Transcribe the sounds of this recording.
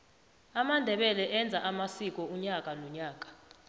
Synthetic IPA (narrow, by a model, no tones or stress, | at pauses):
amandʱɛɓɛlɛʔɛnd͡zʱaʔamasik̬ʼɔuɲakʼanɔɲaːk̬ʼḁ